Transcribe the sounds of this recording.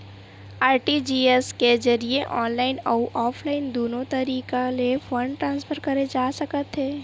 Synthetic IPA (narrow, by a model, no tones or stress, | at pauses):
aːɾʈid͡ʒiːesked͡ʒɐɾieʔɔːnlaːɪnɔːʔɔːpʰlaːɪnd̪oːnõt̪ɐɾiːkalefʰɐ̃ɳɖʈɾãːnspʰəɾkɐɾed͡ʒaːsɐkət̪ɦeː